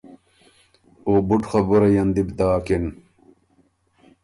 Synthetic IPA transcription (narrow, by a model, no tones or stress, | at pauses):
oːbuʈxɐbuɾɐjɐnd̪ibd̪aːkin